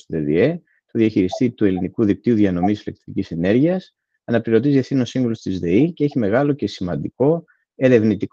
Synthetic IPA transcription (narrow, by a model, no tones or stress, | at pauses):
st̪oðeðḭe̞ | t̪oðiɐçiɾist̪it̪ue̞linikuðik̚t̪iuðiɐno̞misilek̚t̪ɾicisene̞ɾʝiɐs | ɐnɐpiɾo̞t̪̬izeθino̞siŋvolost̪izðe̞iceeçime̞ɣɐlo̞ce̞simɐnd̪iko̞ | e̞ɾe̞vnit̪ik